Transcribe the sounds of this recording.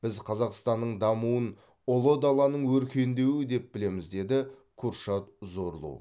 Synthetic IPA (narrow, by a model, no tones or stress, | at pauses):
b̥ɪzqʰɑzɑqst̪ɑnːəɴd̪ɑmuən | olˠod̪ɑlˠɑnəɴwɵɾkʲʰe̞nd̪e̞wɪd̪e̞p̚bɪle̞mɪzd̪e̞d̪ɪ | kʰuɾʃɑt̪zo̞ɾlˠṵ